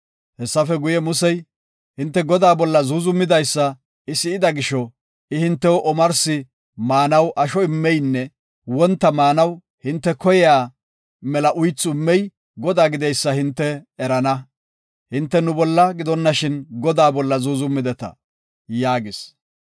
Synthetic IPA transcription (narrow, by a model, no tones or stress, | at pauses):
hɛsːɐfɛɡʊjɛmʊsɛj | hɪnt̪ːɛɡɔd̪aːbɔlːɐzuːzʊmːɪd̪ɐjsːɐ | ɪsɪɪd̪ɐɡɪʃɔ | ɪhɪnt̪ːɛwɔʔɔmɐɾsɪ | maːnɐwʔɐʃɔɪmːɛjnːɛ | wɔnt̪ːɐmaːnɐw | hɪnt̪ːɛkɔjɛjaː | mɛlɐʔʊjt͡sːʊɪmːɛj | ɡɔd̪aːɡɪd̪ɛjsːɐhɪnt̪ːɛːɾɐnɐ | hɪnt̪ːɛnʊbɔlːɐɡɪd̪ɔnːɐʃɪnɡɔd̪aːbɔlːɐzuːzʊmːɪd̪ɛt̪ɐ̰ | jaːɡɪs